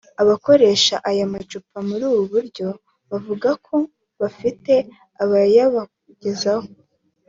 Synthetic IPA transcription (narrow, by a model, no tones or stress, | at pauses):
aβako̞ɾe̞ːʃaʔajamat͡ʃupamuɾuːβuβuɾɟo̞ | βavuɡakʰo̞ | βafite̞ | aβajaβa | ɟ̥e̞zaho